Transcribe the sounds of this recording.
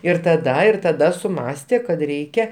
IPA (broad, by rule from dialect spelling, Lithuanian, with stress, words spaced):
ɪr tɐˈdɐ ɪr tɐˈdɐ sʊˈmɑːsʲtʲeː kɐt ˈrʲɛɪkʲɛ